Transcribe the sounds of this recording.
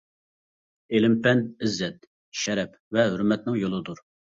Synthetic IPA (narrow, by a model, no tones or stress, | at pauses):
elɪmpɛnɪzːɛt̪̚ | ʃɛɾɛp | vɛɦøɾmɛt̪nɪŋjolˠɨd̪uɾ